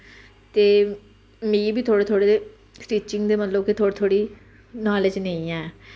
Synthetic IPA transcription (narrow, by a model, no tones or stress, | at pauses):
t̪eː | mĩːbiːt̪ʰoːɽeːt̪ʰoːɽeːd̪eː | sʈiːt͡ʃɪŋɡd̪eːmət̪ləb̚kit̪ʰoːɽeːt̪ʰoːɽiː | naːlɪd͡ʒnẽĩːɛː